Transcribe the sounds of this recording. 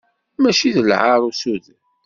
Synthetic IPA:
mæʃiðəlʕaɾˤusuð

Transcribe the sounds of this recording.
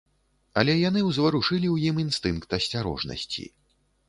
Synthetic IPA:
ɐlʲɛjanɨwzvɐɾuʂɨlʲiwjiminst̪ɨnkt̪ɐsʲt͡sʲaɾɔ̰ʐnɐ̰sʲt͡sʲḭ

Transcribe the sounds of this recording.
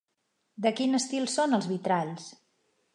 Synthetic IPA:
d̪əkinəst̪ilˠsonəlˠzβit̪ɾaʎs

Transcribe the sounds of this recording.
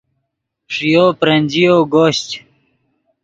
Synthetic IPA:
ʂijoːpɾɐnʲd͡ʑijoːɡoːɕt͡ɕ

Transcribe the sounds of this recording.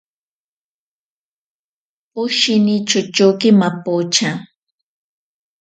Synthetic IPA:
ʊʃɪnit͡ʃʊt͡ʃukɪmapot͡ʃa

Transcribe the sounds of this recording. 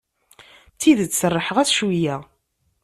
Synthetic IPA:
t͡sːiðət͡sːsərˤːəħəʁæθʃwijæ

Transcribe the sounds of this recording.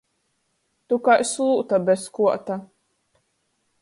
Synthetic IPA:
t̪ukajslˠuːt̪abʲɛskuɔt̪a

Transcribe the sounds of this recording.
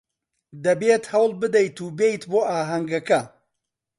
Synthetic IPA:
d̪ɐbeːt̪hɐwlˠbɨd̪ɐjt̪uːbejt̪boːʔaːɦɐŋɡɐkɐ

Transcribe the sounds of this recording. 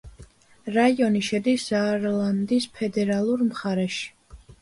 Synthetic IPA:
ɾaiɔniʃɛd̪iszaɾlˠand̪ispʰɛd̪ɛɾalˠuɾmχaɾɛʃi̥

